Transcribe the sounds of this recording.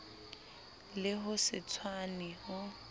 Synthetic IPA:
lɪɦʊsɪt͡sʰwanihʊ

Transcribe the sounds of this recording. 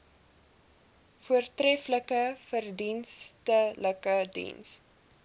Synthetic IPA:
fuərtrɛfləkəfərdinstələkədḭns

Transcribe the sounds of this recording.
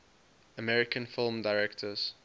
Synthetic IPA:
əmɛɹɪkʰə̃nfɪlˠmdaɪɹɛktʰəz̥

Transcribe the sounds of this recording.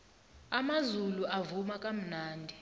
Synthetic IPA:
amazuluʔavumakʼam̩naːndʱi

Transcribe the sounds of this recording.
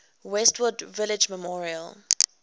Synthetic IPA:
wɛstwədvɪlɪd͡ʒmɛmɔɹiəl

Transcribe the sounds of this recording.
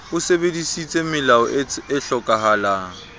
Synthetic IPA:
ʊsebedisit͡sʼemɪlaɔ̰ɪɬɔkʼaɦaːlaːŋ̩

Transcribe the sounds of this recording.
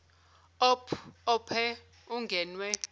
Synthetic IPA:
ɔpʰɔpʰɛ | uŋɡʱɛnwɛ

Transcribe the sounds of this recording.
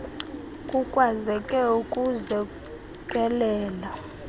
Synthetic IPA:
kʼukʼwazɛkʼɛukʼuzɛ | kʼɛlɛːla

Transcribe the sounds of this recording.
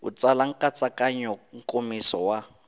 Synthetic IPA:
ṵt͡salaŋ̩kʼat͡sʼakʼaɲɔŋ̩kʼomisɔwa

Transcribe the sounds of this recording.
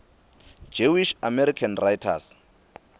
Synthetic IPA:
d͡ʒewiʃamɛɾikʰanrajtʰa̰s

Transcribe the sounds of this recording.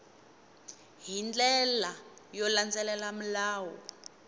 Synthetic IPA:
ɦind͡ɮɛlajɔland͡zɛlɛlam̩laːwɔ̰

